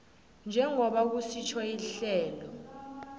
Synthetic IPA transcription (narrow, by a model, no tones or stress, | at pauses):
nd͡ʒʱɛŋɔɓak̬usit͡ʃʰaiɬɛːlɔ